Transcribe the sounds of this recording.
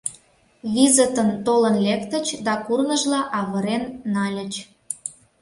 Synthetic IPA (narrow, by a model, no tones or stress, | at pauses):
βʲizət̪ənt̪olənlʲekt̪ə̆t͡ɕd̪ɑkurnəʒlɑʔɑβə̆ɾenːɑlʲə̆t͡ɕ